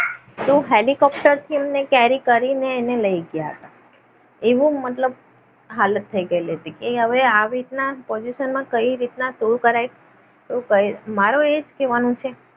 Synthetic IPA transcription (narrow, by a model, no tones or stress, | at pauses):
t̪oɦelikɔp̚ʈəɾt̪ʰiemnekɛɾikəɾineːneləiɡjaɦə̰t̪a | eʋũmət̪ləb̚ | ɦalət̪ʰːəiɡəilet̪ekeɦəʋeaʋit̪napɔd͡ʒiʃənmãkəiɾit̪nasulkəɾaj | okəjmaɾoed͡ʒkeʋanũt͡ʃʰe